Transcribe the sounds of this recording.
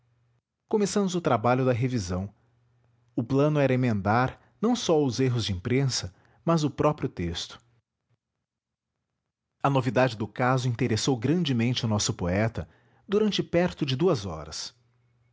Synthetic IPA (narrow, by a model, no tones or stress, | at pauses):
komesɐ̃mʊzʊt̪ɾabaʎʊd̪ɐɦevizɐ̃w̃ | ʊplɐ̃nʊɛɾɐemẽnd̪aɾ | nɐ̃w̃sɔʊzeɦʊzd͡ʒɪĩpɾẽsɐ | mɐzʊpɾɔpɾiʊt̪est̪ʊ̥ | ɐnovid̪ad͡ʒɪd̪ʊkazʊĩnt̪eɾesowɡɾɐ̃nd͡ʒɪmẽnt͡ʃɪʊnɔsʊpoɛt̪ɐ | d̪uɾɐ̃nt͡ʃɪpɛɾt̪ʊd͡ʒɪd̪uɐzɔ̰ɾɐ̰s